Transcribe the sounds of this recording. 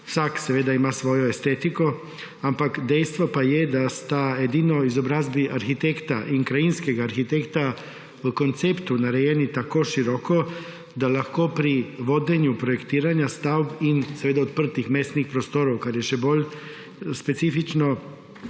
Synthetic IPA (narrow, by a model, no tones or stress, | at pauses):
saksʋed̪aimasʋojoest̪et̪iko | ampakd̪ejst̪ʋopajed̪ast̪ajed̪inoizobɾazbiʔaɾxit̪ekt̪aʔiŋkɾajinskeɡaːɾxit̪ekt̪a | kont̪sept̪unaɾejenit̪akoʃiɾoko | d̪alaxkopɾiʋod̪eɲupɾojekt̪iːɾaɲast̪awbinsʋed̪aot̪pr̩t̪ixmesnixpɾost̪oɾowkaɾjeʃeboʎ | spetsifit͡ʃno